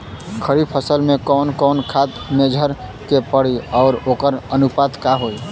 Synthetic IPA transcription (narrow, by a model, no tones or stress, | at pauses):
kʰəɾipʰəsəlmekɔːnkɔːnkʰat̪med͡ʒʱəɾ | kepəɽiɔːɾoːkəɾənupaːt̪kaɦoi